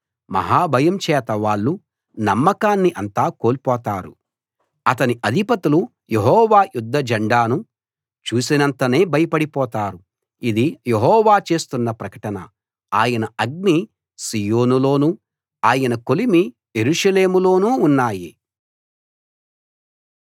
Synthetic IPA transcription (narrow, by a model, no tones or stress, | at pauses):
mɐ̰ɦaːbʱɐjɐmt͡ʃɛːt̪ɐʋaːɭːu | nɐmːɐkaːnːiʔɐnt̪aːko̞ːlipɔːt̪aːɾṵ | ɐt̪ɐniʔɐd̪ʱipɐt̪ulu | jeɦɔːʋaːjud̪ʱːɐd͡ʒɐɳɖaːnu | t͡ʃuːsinɐnt̪ɐne̞ːbʱɐjɐpɐɽipɔːt̪aːɾu | id̪ijeɦɔːʋaːt͡ʃe̞ːst̪unːɐpɾɐkɐʈɐnɐ̰ | aːjɐnɐɐɡ̚ni | sijo̞ːnulo̞ːnu | aːjɐnɐko̞limi | jeɾuʂɐle̞ːmulo̞ːnuːnːaːji